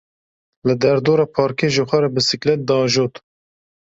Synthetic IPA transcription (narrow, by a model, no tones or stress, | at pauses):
lɨd̪ɛɾd̪oːɾɑːpʰɑːɾkʰeːʒəxʷɛɾɛbɨsɨklɛt̪̚d̪ɑːʒoːt̪